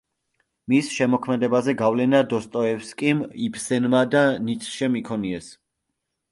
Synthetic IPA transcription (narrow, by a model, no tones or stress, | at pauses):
misʃɛmɔkʰmɛd̪ɛbazɛɡavlɛnad̪ɔst̪ʼɔɛfskʼimipʰsɛnmad̪anit̪sʰʼʃɛmikʰɔniɛs